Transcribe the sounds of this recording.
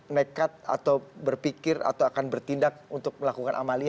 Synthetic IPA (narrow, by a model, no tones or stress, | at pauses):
nekat̪̚a̰t̪awbərpikɪra̰t̪awakanbərt̪indak̚unt̪ʊk̚məlakukanʔa̰mali